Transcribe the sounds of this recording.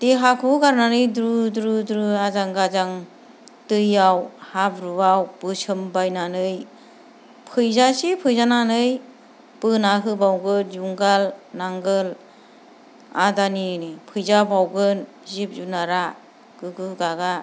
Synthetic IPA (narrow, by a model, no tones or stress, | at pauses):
teɦakʰuɡaɾnanɯjdɾudɾudɾuazaŋɡazaŋ | tɯjawhabɾuawpɯsɯmbajnanɯj | pʰɯjzasipʰɯjzananɯj | pɯnaɦɯbawɡɯnzuŋɡalnaŋɡɯl | a̰daninipʰɯjzabawɡɯn | zip̚zunaɾa | kɯɡɯɡaɡa